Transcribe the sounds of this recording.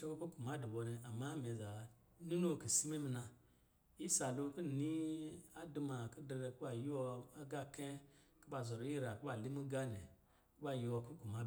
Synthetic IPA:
ʃe˦ko˦ku˦ɡu˨ma˦du˨ɓo˧ne˨a˨ma˦me˨za˨˦ | nu˦no˦˨ki˨si˦mi˦mi˧na˧ | ji˦sa˨lo˧ki˦˨ni˦a˦du˧ma˨ki˦de˧ɾe˧ki˦ɓa˨ji˦wɔ˧a˦ɡa˦ke˦ | ki˦ɓa˧zo˨ɾo˨˦ji˦ɾa˨ki˦ɓa˨li˦mi˦ɡa˦nḛ˨ | ku˦ɓa˧ji˧wɔ˧ku˦ɡu˨ma˦˨

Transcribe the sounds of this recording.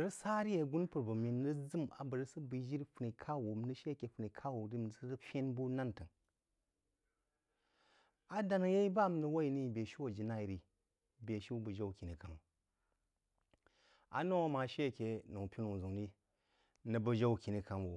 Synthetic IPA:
ɾə˦sa˦ɾi˦je˨ɡu˦npu˨ɾbə˨mi˨˦ə˦zɨ˦ma̰˨bə˨ɾə˦sə˦bɨ˨˦d͡ʒi˦ɾfu˨ni˨kʰa˦wo˨m˦nə˦ʃe˦˨ke˨fu˨ni˨kʰa˦wo˨di˦˨˦ə˦ɾə˦fʲe˦nbu˦na˦ntɨ˨ŋ | a˨da˦nɨ˨je˦i˦ba˦˨m˨nə˨wo˦i˨ni˦˨be˨ʃi˦wo˨d͡ʒi˨na˦i˨ɾi˨ | be˨ʃi˦wu˦bə˨ʒa˦wu˨ki˨ni˨ka˨m˨ | a̰˨no˦wo˦ma˨ʃe˦˨ke˨nu˨ŋ˨pʲi˦nu˨ŋ˨zu˨ŋɾi˦ | nə˨bə˦ʒa˦wu˨ki˨ni˨ka˨mwu˨

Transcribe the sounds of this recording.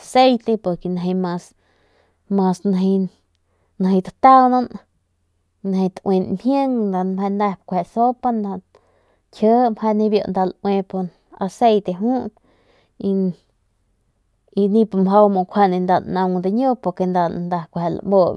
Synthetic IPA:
se˦jt̪e˧po˧ɾke˧na˧ɦe˧mã˧s | mã˧sna˧ɦi˧ | na˧˨ɦi˧d̪at̪a˦wnã˧n | na˧he˧t̪we˧nmhjə˦ŋnd̪a˧nmha˧nd̪a˧hpkʷe˧ʔso˦pa˦nd̪a˧ | tʲʰə˦mha˧nĩ˧bjo̰˧nd̪a˧lwẽ˧po˧n | a̰˧se˧jt̪e˧ɦũ˦t̪̚ | i˧ | i˧nĩ˧po˧mɦa˧wmo˧˨kʷʰa˧nẽ˧nd̪a˧nã˧ŋd̪a˧ɲo˦po˧ɾke˧nd̪a˧nd̪a˧kʷhe˧la̰˧mo˧

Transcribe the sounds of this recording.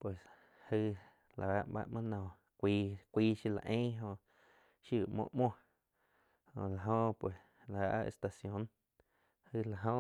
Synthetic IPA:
pwe˨s | hɨ˧ | lʔa˨a˧˦ʔba̰˧ʔmã˦nɔ̃˨ | kʷiː˧kʷiː˦ʃi˦˧la̰˨ʔẽː˦ɦõ˧ʔ | ʃi˦˨ʔmõ̰˧ʔmõ˦ | hõ̰˧˨la˨ɦõ˧pwe˨s | la˨a̰˧ʔʔḛ˧st̪a˧sjõ˨˦n | hɨ˧la˨ɦõ˧

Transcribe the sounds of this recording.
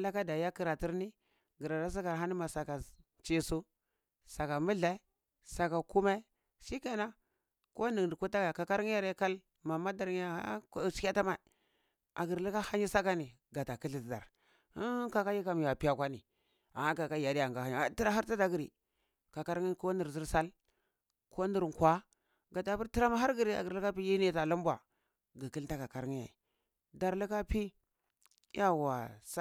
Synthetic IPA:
la˦ka˦da˨ja˦ki˦ɾa˨ti˦ɾni˦ | ɡi˨ɾa˨da˦s̬a˦ka˨ɾɦa˦ni˦ma˨sa˨ka˨ | t͡ʃi˦su˦ | sa˨ka˨mu˦ɮa˦i˦ | sa˨ka˨ku˦ma˦ | ʃi˦ka˦na˦ | ko˦ni˨ɡdi˨ku˦ta˦ɡka˨ka˦ɾŋi˦ja˦ɾe˦ka˦l | ma˨ma˦da˨ɾŋ˦a˨a̰˦˨t͡ʃi˦ka˦ta˦ma˨i˨ | a˨ɡi˨ɾli˦ka˦ha˦ɲi˦sa˦ka˦ni˨ | ɡa˨ta˨ki˦ɬi˨tda̰˨ɾ | ka˦˨ka˦ji˦ka˨m˨ja˨pi˦a˦kʷa˦ni˨ | a˨a˦ka˨ka˦ja˨di˦ja˨ɡa˨ha˦ɲ˨a˨˦ti˦ɾa˦ɦa˦ɾta˦da˨ɡi˨ɾi˨ | ka˨ka˦ɾŋi˦ko˦ni˨ɾzi˦ɾsa˦l | kʰo˦ni˨ɾŋ˨kʷa˦ | ɡa˨ta˨bu˦ɾti˦ɾa˦ma˦ɦa˦ɾɡi˨ɾi˨a̰˨ɡi˨ɾi˦ka˦pi˦ji˦ni˦˨ta˨lu˦m˦ba̰˨ | ɡi˨ki˦lta˦ka˨ka˨ɾŋi˦ja̰˨i˨ | da˨ɾli˦ka˦pi˦ | ja˦wa˨sa˦

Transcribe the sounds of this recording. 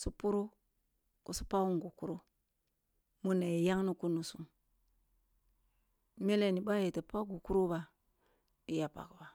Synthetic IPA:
su˦pu˦ɾo˦ | ku˨su̥˦pa˦wu˦ŋɡu˨ku˦ɾo˦ | mu˦na˨ji˨ja˦ŋnu˦ku˦nu˨su˨m | me˦le˨ni˨ba˦je˨te˨pa˦ɡu˨ku˦ɾu˦ba˨ | i˦ja˨pa̰˨kba˨

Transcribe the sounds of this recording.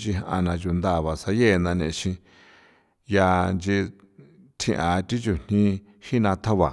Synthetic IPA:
t͡ʃi˧ɦa˧ʔa̰˧nã˧t͡ʃu˨nd̪a˦˨βa˨sa˧je˦˨˧nã˧nẽ˧ʃĩ˧ | ja˧nd͡ʒi˧ | t̪ʰĩ˧ʔã˨t̪i˦t͡ʃu˧˨n̥nĩ˦ | hi˦nã˧t̪ʰa˦βa˨

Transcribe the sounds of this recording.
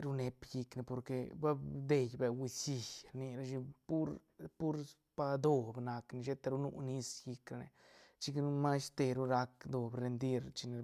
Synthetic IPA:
ɾu˦ne˧pji˧kne˧po˨ɾke˧ba˦d̪e˧jbe˨wi˧si˧jɾni˧ɾa˧ʃi˧pu˦ɾ | pu˦ɾ | pa˧d̪o˧bna˧kne˧ʃe˦t̪a˧ɾu˦nṵ˦˧ni˦sji˧kɾa˧nḛ˧ | t͡ʃi˦knu˦ma˦st̪e˧ɾu˦ɾa˧kd̪o˨bɾe˧nd̪i˦ɾt͡ʃi˧ne˧

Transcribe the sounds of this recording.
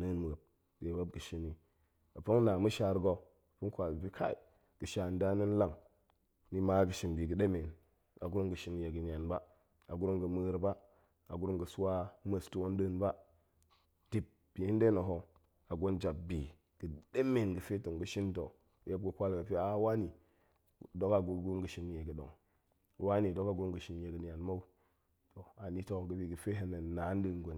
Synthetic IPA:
nə˦nm˨ə˨b̚ | de˨ba˦b̚ɡə˨ʃi˦ni˨ | a˨pə˦ŋ˦na˨mu˦ʃa˨ɾɡo˨ | pu˦nkʷa˨zbi˦kʰa˦i˨ | ɡ̥ə˨ʃa˨nda˦nə˦n˦la˦˨ŋ | ni˦ma˦ɡə˨ʃi˨nbi˨ɡə˨ɗe˦me˨n | a̰˨ɡu˦ɾo˦ŋɡə˨ʃi˦n˨ja˨ɡə˨n˨a˨nba˦ | a˨ɡu˦ɾo˦ŋɡə˨mə˦ɾba˦ | a˨ɡu˦ɾo˦mɡə˨su˦wa˦mə˨stu˦wo˦n˦də˦˨nba˦ | ti˨p̚ | b̥i˨˦n˦de˦no˨ɦo˨ | a˨ɡo˦nd͡ʒa˨b̚bi˨ | ɡ̥ə˨de˦me˨nɡə˨fe˦to˨ŋɡə˨ʃi˦nto˨ | je˦b̚ɡə˨kʷa˦lɡə˨fi˦a˦wa˦ni˨ | do˦ka˨ɡu˨ɡu˦ɾɡə˨ʃi˦n˨je˨ɡə˨ɗo̰˨ŋ˨ | wa˦ni˨do˦ka˨ɡɾu˦mɡə˨ʃi˦nje˨ɡə˨ni˨a˨nma˦u˦ | to˨a˨ni˦to˦ɡə˨bi˨ɡə˨fe˦ɦe˦nə˨na˨˦n˦də˦nɡʷo˨

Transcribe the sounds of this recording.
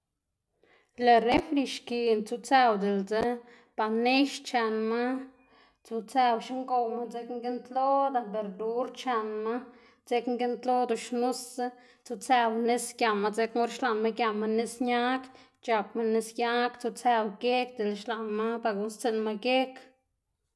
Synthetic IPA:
le˨ɾe˦fli˧ʃki˨nt͡su˧t͡se˧wd̪e˨lt͡se˦ | b̥a˨ne˦ʃt͡ʃa˧nma˦ | t͡su˧t͡sa˧wʃi˦ŋɡo˧wma˦t͡se˧˦kŋɡe˦nt̪lo˦d̪a˧˨be˧ɾd̪u˦ɾt͡ʃa˧nma˦ | t͡se˦kŋɡe˦nt̪lo˦d̪o˨ʃnu˦sa˦ | t͡su˧t͡sa˧wne˦skja˧ma˧t͡se˦kmu˦ɾʃla˨nma˦ɡja˧ma˧nːe˦sɲa˦k | t͡ʃa˧pma˧nːe˧sja˦kt͡su˧t͡se˧wɡe˦k̚d̪e˨lʃla˨nma˦ba˧ɡu˧st͡se˧nma˧ɡe˦k

